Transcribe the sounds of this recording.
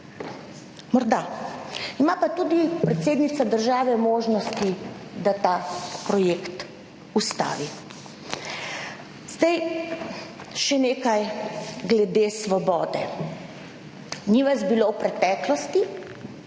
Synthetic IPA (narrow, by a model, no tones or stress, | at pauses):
mɔɾd̪a | imapat̪uːd̪ipɾɛt̪seːd̪nit̪sad̪əɾʒaːʋɛmoːʒnɔst̪id̪at̪apɾɔjekt̪ | ust̪a̰ːʋi | zd̪aj | ʃɛneːkajɡlɛd̪esʋɔbɔːd̪ɛ̰ | niʋazbilowpɾɛt̪ɛklɔst̪i